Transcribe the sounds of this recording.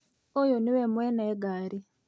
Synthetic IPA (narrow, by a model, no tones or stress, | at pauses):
ojoniwemwenaeɡaːɾi